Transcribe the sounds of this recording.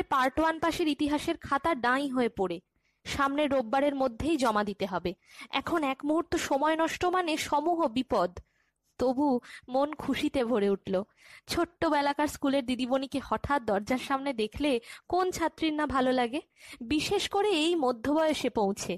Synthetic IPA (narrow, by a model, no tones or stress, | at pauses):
paɾʈoanpaʃeɾit̪iɦaʃeɾkʰat̪aɾɖãĩɦoepoɾe | ʃamneɾobːaɾeɾmod̪ʱːejd͡ʑɔmad̪it̪eɦɔbeɛ̰kʰonɛkmuɦuɾt̪oʃɔmɔenɔʃʈomaneʃɔmuɦobipɔd̪ | t̪obumonkʰuʃit̪ebʱoɾeuʈlo | t͡ɕʰoʈːobɛlakaɾskuleɾd̪id̪ibonikehɔʈʰat̪̚d̪ɔɾd͡ʑaɾʃamned̪ekʰlekont͡ɕʰat̪ːɾiɾnabʱalolaɡebiʃeʃkoɾeejmod̪ʱːobɔeoʃepõw̃t͡ɕʰe